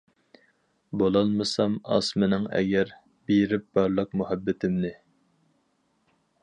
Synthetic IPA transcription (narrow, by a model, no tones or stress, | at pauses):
bolˠɑlˠmɨsɑmɑ̰smɪnɪŋɛ̰ɡʲɛɾ | beɾɪp̚bɑɾlˠəq̚muhɛbːɪt̪ʰɪmnɪ